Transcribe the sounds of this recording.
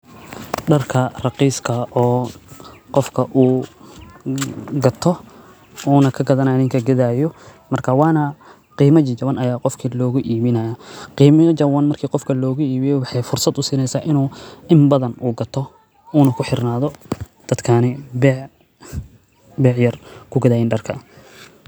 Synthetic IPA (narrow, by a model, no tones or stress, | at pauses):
ɖɐrkʰɐrɑqiːskʰɐʔɔː | qɔfkʰɐʔuː | ɡɐt̪ʰɔ | uːnɐkʰɐɡɐðɐnaːnɪŋkʰɐɡɐðaːjɔmɐrkʰɐwɑːnɐ | qiːmɐt͡ʃt͡ʃɐβɐnɐjaːqɔfkʰilɔːɣʊʔiːβɪnɐjɐqiːmɐd͡ʒɐwɐnmɐrkʰiːqɔfkʰɐlɔːɣʊiːβɪjɛwɑħɑjfʊrsɐd̪ʊsiːnɛjsaːʔɪnuːɪmbɐðɐnuːɡɐt̪ʰɔ | uːnɐkʰʊħɪrnaːðɔ | d̪̥ɐd̪kʰaːnɛbɛʕ | bɛːʕjɐrkʰʊɡɐðaːjɪːnɖɐrkʰɐ